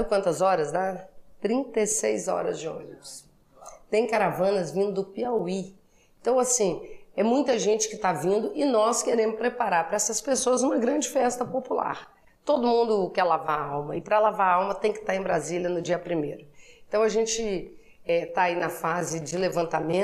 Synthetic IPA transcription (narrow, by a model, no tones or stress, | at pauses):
ʊkwɐ̃nt̪ɐzɔɾɐzd̪at̪ɾĩnt̪esejzɔ̰ɾɐ̰zd͡ʒɪõ̰ʊs | t̪ẽj̃kaɾavɐ̃nɐzvĩnd̪ʊd̪ʊpiawi | ẽt̪ɐ̃w̃asĩɛmũj̃t̪ɐʒẽnt͡ʃɪ̥kɪt̪avĩnd̪ʊʔɪnɔskeɾẽmʊspɾepaɾaɾpɾɐɛsɐspesoɐzũmɐɡɾɐ̃d͡ʒɪfɛst̪ɐpopula̰ɾ | t̪od̪ʊmũnd̪ʊkɛɾlavaɾawmɐɪpɾɐlavaɾawmɐt̪ẽj̃kɪ̥t̪aẽj̃bɾazilʲjɐnʊd͡ʒiɐpɾimejɾʊẽt̪ɐ̃w̃ɐʒẽt͡ʃɪ | ɛt̪aːinɐfazɪd͡ʒɪlevɐ̃nt̪amẽ